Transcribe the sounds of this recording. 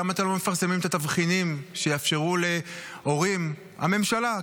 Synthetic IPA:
amat̪alome̞faʁsemimet̪at̪avχinimʃejaafʃe̞ʁule | o̞ʁim | ha̰me̞mʃala

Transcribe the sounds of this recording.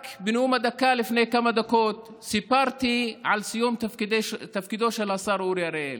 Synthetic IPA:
kbɪnumad̪akːalɪfnekamad̪akoːt̪ | sɪpɑɾˤt̪iʕalsijuːmt̪d̪t̪afkid̪oːʃalʔasˤɑːɾˤʔuːɾijaɾel

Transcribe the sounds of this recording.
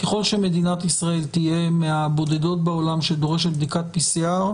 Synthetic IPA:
keχo̞lʃe̞me̞d̪inat̪isʁae̞lt̪ije̞meabo̞d̪e̞do̞t̪̚beo̞lamʃed̪o̞ʁeʃ̬et̪̚bd̪ikat̪̚pisiaʁ

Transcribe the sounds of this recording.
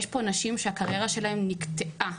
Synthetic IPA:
ʃpo̞naʃimʃeakaʁje̞ʁaʃe̞lahe̞mnikt̪eʔa

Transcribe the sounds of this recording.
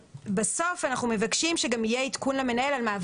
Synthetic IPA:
baso̞fanaχnumevakʃimʃeɡamijeit̪kunleme̞nae̞lalmaːv

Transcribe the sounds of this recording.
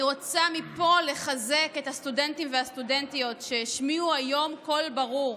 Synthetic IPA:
iʁo̞t͡samipo̞le̞χaze̞ke̞thastude̞ntimveastude̞ntijo̞tʃeiʃmiuajo̞mko̞lbaʁuʁ

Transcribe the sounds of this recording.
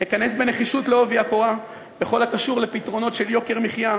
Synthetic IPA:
hikane̞sbe̞ne̞χiʃutleoviakoʁa | be̞χo̞lhakaʃuʁle̞pitʁo̞no̞tʃe̞ljo̞ke̞ʁmiχja

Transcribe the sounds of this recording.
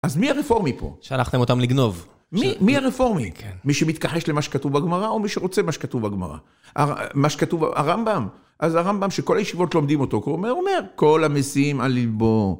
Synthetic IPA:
azmiaʁefo̞ʁmipo̰ʃealaχt̪emot̪amliɡno̞v | mimiaʁefo̞ʁmikʰenmiʃemit̪kaħe̞ʃlemaʃe̥katuvbaɡmaʁaomiʃeʁo̞t͡semaʃekat̪uvbaɡma̰ʁa̰ | ʔa̰amaʃekat̪uv̰a̰ʁambam | ʔazaʁambamʃeko̞lajeʃivo̞tlo̞md̪imo̞t̪o̞kuomeome̞ʁko̞lamesiimalːilbo

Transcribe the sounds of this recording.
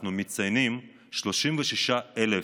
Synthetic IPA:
numit̪t͡sajnim | ʃlo̞ʃimveʃiʃaele

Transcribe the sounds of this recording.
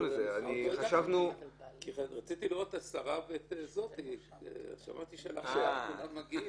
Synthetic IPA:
mizeaniχaʃavnukiʁat͡sit̪iliʁo̞t̪ːasaʁavet̪ezo̞t̪ḭ | ʃa̰mʔat̪iʃeala̰χeakulamːaɡi

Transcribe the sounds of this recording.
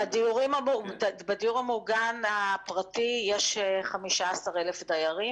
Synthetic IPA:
adiuʁimamubadijuʁamuɡanapʁatijeʃeχamiʃaasaʁelefdajaʁi

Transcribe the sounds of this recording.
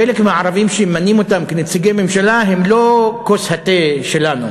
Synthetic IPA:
elekmeaʕaʁavimʃemːanimo̞t̪amkenet͡siɡeme̞mʃalaɦe̞mlo̞koshat̪eʃelanu

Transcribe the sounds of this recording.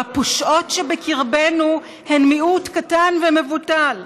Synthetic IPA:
apoʃʔo̞tʃebekiʁbenu | henmiʔutkatanveme̞vutal

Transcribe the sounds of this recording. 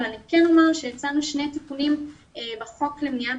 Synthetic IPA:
lanikeno̞maʁʃejat͡sanuʃnet̪ipunim | ebeχo̞klemnia

